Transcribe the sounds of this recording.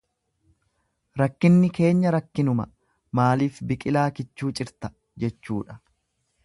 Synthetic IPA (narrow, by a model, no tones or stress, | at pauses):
ɾɐkːɪnːɪke̞ːɲːɐɾɐkːɪnʊmɐ̰ | maːliːfbɪkʼɪlaːkɪt͡ʃːuːt͡ʃʼɪɾt̪ɐ̥ | d͡ʒɛt͡ʃːuːᶑɐ̥